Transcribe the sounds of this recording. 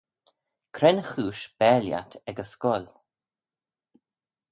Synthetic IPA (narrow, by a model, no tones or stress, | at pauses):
kʰɾɛnəxuːʃb̥ɛːlja̰tʰɛɡəskɔl